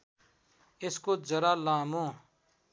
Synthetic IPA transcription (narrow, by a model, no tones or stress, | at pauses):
ɪskoːd͡ʒəɾaːlaːmõː